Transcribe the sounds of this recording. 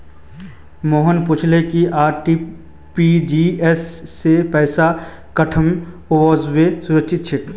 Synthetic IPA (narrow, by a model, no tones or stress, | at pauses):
moːɦənpʊt͡ʃʰlekiʔaːɾʈi | pid͡ʒiesːepɛːsa | kɐʈʰəmoozʋesʊɾəkʃʰɪt̪̚t͡ʃʰɪt̪